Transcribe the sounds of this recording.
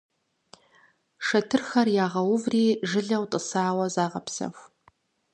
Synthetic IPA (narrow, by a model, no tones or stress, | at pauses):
ʂɐtʰɨrxɐrjaːʁɐwʊvriːʒɨɮɐwtʼɨsaːwɐzaːʁɐpsɐ̰xʷ